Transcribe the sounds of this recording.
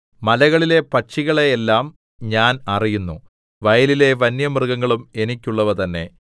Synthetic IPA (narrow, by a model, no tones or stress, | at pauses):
mɐlɐɣɐɭile̞pɐʈʂiɣɐɭeːlːaːm | ɲaːnɐrijunːṵ | ʋɐjɐlile̞ʋɐnjɐmrɡɐŋːɐɭume̞nikʲːuɭːɐʋɐt̪ɐnːe̞̰